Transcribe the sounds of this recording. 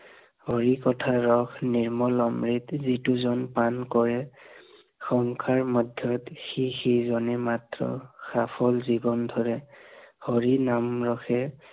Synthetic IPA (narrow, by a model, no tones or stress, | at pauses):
hɔɹikɔtʰaɹɔkʰniɹmɔlɔmɹitzituzɔnpankɔɹɛ | xɔŋkʰaɹmɔdʱjɔtxixizɔnɛmatɹɔ̰xapʰɔlzibɔndʱɔɹɛhɔɹinamɹɔxɛ